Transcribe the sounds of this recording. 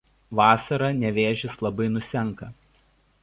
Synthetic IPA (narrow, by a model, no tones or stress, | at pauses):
ʋɑːsɐɾɐnʲɛʋʲeːʒʲɪslˠɐbɐɪnʊsʲɛŋˑkɐ